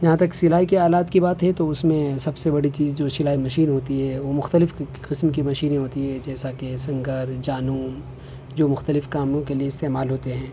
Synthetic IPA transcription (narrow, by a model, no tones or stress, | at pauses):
d͡ʒɐɦãt̪ɐksɪlaːikeaːlaːt̪kibaːt̪ɦɛ̃t̪oʊsmẽsɐbsebɐɽit͡ʃiːzd͡ʒoːsɪlaːimɐʃiːnɦoːt̪iɦɛːʋomʊxt̪əlɪf | qɪsmkimɐʃiːnẽɦoːt̪iɦɛd͡ʒɛːsakesɐ̃ŋɡəɾd͡ʒaːnuːm | d͡ʒoːmʊxt̪əlɪfkaːmõkelieɪst̪eːmaːlɦoːt̪eɦɛ̃ː